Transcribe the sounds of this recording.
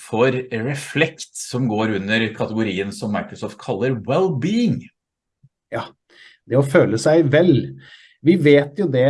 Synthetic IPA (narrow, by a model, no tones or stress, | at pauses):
fɔɾɾɛflɛkt̪sɔmɡoːɾʉnːəɾkʰɑt̪əɡʊɾiːənsɔmːɑɪkɾʊsɔːft̪̚kʰɑlːəɾwɛlbiːɪŋ | jɑː | d̪ɛɔføːləsæɪʋɛl | ʋɪʋeːt̪jʊd̪ɛ